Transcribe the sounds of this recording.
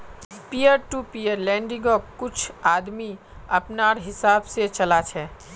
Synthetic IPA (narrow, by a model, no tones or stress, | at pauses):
pijəɾʈupijəɾlɛ̃ɳɖiŋɡɔkkːut͡ʃʰad̪mi | əpnaɾɦisabset͡ʃəlat͡ʃʰɛ